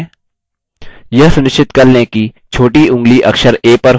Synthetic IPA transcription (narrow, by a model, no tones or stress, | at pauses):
jɐɦsʊnɪʃt͡ʃɪt̪kɐɾnẽkit͡ʃʰoːʈiʔʊ̃ŋɡliʔɐkʃəɾeːpɐɾ